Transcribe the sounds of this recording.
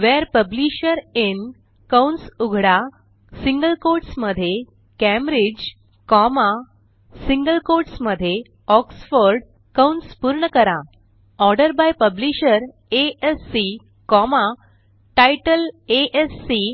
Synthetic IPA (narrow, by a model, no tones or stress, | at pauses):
ʋɛɾpəbliɕəɾen | kawnsuɡʱɽa | siŋɡəlkoɾʈsməd̪ʱːje | kɛ̃mɾid͡ʑ | kɔma | siŋɡəlkoɾʈsməd̪ʱːje | ɔksfəɾɖ | kawɳspuɾɳəkəɾa | ɔɾɖəɾbajpəbliɕəɾ | eesːi | kɔma | ʈajʈəleʔesːi